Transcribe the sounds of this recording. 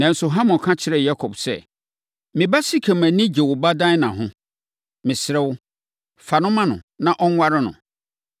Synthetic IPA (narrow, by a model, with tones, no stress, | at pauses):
nã˨n̩˨sʊ˨ɦã˦mɔ̃˨kʰã˦t͡ɕʰɪ˦ɾɛ˨ja˦kʰɔ˨bsɛ̰˦˨ | mɪ̃˨ba˦si˦kʰɛ˨mæ̃˨nĩ˦d͡ʑe˨wʊ˨ba˦dã˦nã˨ɦʊ̃˦ | mɪ̃˨sɪ˨ɾɛ˦wʊ˦ | fa˨nʊ̃˦mã˦nʊ̰̃˨nã˦˨ʔɔ˦ŋ˦wa˦ɾɪ˦nʊ̰̃˨